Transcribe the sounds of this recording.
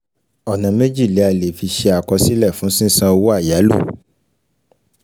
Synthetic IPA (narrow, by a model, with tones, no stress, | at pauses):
ɔ˨nã˨me˦d͡ʒi˦˨le˨˦a˨le˨fi˧ʃe˧a˨kɔ˧si˦lɛ˦˨fũ˨˦sĩ˦sã˧o˧wo˦a˦˨ja˨˦lṵ˦˨